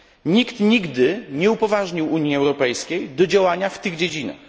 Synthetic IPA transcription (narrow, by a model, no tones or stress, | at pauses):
ɲikt̪ɲiɡd̪ɘɲɛupɔvaʐɲiwuɲjiɛwɾɔpɛjskʲejd̪ɔd͡ʑawaɲaft̪ɘɣd͡ʑed͡ʑina̰x